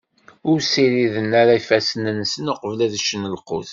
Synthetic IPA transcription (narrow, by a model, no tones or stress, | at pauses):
ʊɾsiɾiðənaɾaifæsənənsənoqəvlæðʃənəlqʊ̰θ